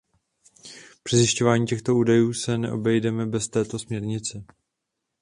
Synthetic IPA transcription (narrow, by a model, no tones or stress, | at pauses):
pr̥ɪzjɪʃco̞vaːɲiːcɛxt̪o̞uːdajuːsɛnɛ̰ʔo̞̰bɛjdɛmɛbɛst̪ɛːt̪o̞smɲɛɾɲɪt͡sɪ